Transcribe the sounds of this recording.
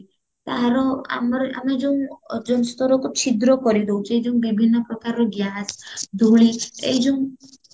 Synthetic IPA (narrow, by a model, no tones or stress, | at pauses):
t̪aɾɔa̰mɔɾa̰med͡ʒew̃d͡ʒɔnst̪ɔɾɔkut͡ʃʰid̪ɾɔkɔɾid̪ewt͡ʃejd͡ʒeũbibʱinːɔpɾɔkaɾɔɡjasd̪ʱuɭiḛjd͡ʒoŋ̃